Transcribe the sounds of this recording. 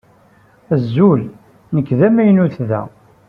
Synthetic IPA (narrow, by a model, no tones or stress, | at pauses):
əzːul | nəkːðæmæjnuθðæ̰